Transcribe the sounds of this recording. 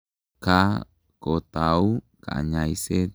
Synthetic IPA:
ka | kot̪auka̰ɲaise

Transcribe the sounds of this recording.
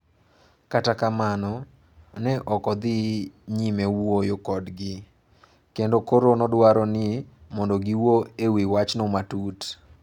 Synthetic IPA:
katakamanɔ | nɛʔɔkɔd̪ɪɲimewojokɔdɡɪ | kendokoɾonɔdwaɾɔnɪmɔndɔɡiwoewiwat͡ʃnɔmatut

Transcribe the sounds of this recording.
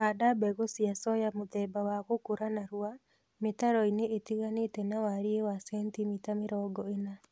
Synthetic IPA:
adabɛɣosiasɔjamoðɛbawaɣokoɾanaɾua | metaɾɔineʔetiɣanetɛnawaɾiewasɛntimitameɾɔɡɔena

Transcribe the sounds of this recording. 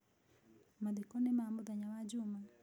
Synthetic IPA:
mad̪ikɔnɛmambud̪aɲawad͡ʒuma

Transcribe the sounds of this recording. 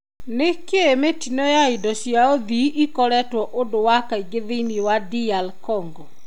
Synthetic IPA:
nekeemetinɔjaidɔʃjaoðiʔikɔɾɛtwɔʔondowakaiɡeðeiniwadialkɔŋɡɔ

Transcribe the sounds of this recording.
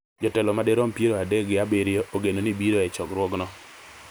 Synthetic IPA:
d͡ʒɔtɛlɔmadeɾɔmpjeɾoadeɡɪabeɾjoʔoɡenonibiɾoɛt͡ʃɔkɾwɔɡnɔ

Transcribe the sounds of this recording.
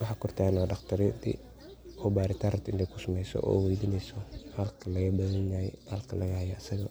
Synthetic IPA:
wɑħɑːkʰʊrt̪ʰaːnɔɖɑqt̪ʰɐɾd̪ḭ | ɔːbaːɾɪt̪ʰaɾɐt̪ɪnd̪ɛkʰʊsɐmɛjsɔ̰ʔɔ̰ːwɛjd̪iːnɛjsɔhɐlkʰɐlɐɣɐbɐðɐnaɛ̰hɐlkʰɐlʔɐɣɐhɐjɔɐsɐɣɐ

